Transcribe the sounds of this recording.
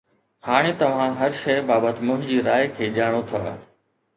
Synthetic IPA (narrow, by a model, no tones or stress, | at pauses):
haːɽ̃ɪt̪ɐʋ̤ãɦɐɾʃɐjbaːbət̪ɪ̆mʊ̃ɦɪ̃d͡ʑiːɾaːjkʰeːʄaːɽ̃ot̪ʰa̰ː